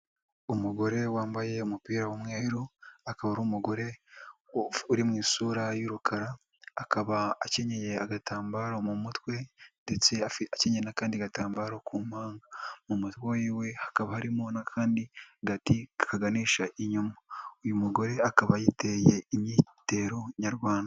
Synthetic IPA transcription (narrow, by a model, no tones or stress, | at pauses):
umuɡo̞ɾe̞waːmbaje̞umupiːɾawomŋeːɾuakaβaɾuːmuɡo̞ɾe̞ | uɾimŋiːsuɾajuːɾukʰaɾaː | kaβaːce̞ɲe̞je̞aɡataːmbaːɾomumutwe̞nde̞t͡se̞afaceɲenakaːndiaɡataːmbaːɾokʰuːmaːŋɡamumutwojiːwe̞hḁkaβahaɾimonakʰaːndiɡatikaɡaniːʃaʔiɲumoujumuɡo̞ɾe̞akaβajite̞je̞imɲiːte̞ɾoɲaɾɡwaːnda